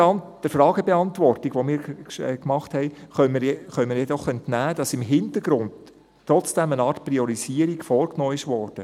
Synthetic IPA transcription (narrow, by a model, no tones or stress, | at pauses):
nd̥əɾfɾɑːɡəbɛɑntʋɔrtiɡ̥ʋomɪːɾɛːkmɑχthɛɪχœməɾjɛχœməjɛdɔχœntnæːd̥ɑsɪmɦɪntəɾɡ̥ɾʊnt | tːɾɔt͡sd̥ɛmənɑːrtpriɔɾiziːəɾiɡ̥fɔːɾknɔːɪʃʋɔrd̥ə